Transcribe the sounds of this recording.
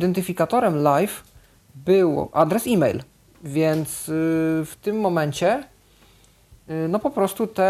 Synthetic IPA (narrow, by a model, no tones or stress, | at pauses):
id̪ɛnt̪ɘfʲikat̪ɔɾɛmlajf | bɘwʔad̪ɾɛsimɛjl | vʲjɛnt̪sft̪ɘmːɔmɛɲt͡ɕɛ | nɔpɔpɾɔst̪ut̪ɛ